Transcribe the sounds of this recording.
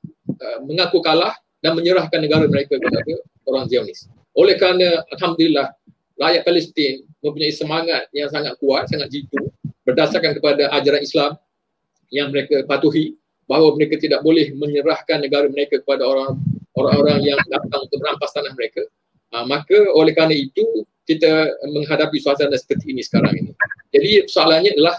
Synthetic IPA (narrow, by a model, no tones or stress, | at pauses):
əmə̃ŋakukalah | danmə̃ɲəɾahkanːəɡaɾaməɾekakəpada | oɾaŋzionɪs | ʔolɛhkəɾanə̃alɦamd̪ulilah | rajat̪̚kalist̪ɪnmə̃mp̬uɲaisəmaŋat̪̚jaŋs̬aŋat̪̚kuat̪̚saŋat̪̚d͡ʒit̪ubərdasarkankəpadaʔad͡ʒaɾanislam | jaŋməɾekapat̪uɦi | baɦwaməɾekat̪idaʔ̚bolɛhmə̃ɲəɾahkanːə̃ɡaɾəməɾekakə̥padaoɾaŋoɾaŋoɾaŋjaŋdat̪aŋunt̪ʊk̚bəɾampast̪anahməɾeka | makaolɛhkanait̪ukit̪amə̃ŋɦadapisuasanasə̥pərt̪iːnĩsə̥kaɾa̰ŋinid͡ʒadiəsoalanɲãdəlah